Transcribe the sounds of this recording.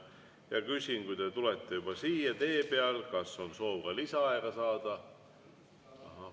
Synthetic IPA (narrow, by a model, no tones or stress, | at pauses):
jɑkysʲinkujd̪̥e̞t̪ulet̪ːe̞jub̥ɑsiːjɑt̪e̞ːpeɑlkɑsːo̞nso̞ːvkɑlisɑɑeɡ̥ɑsɑːd̪̥ɑ | ɑɦɑ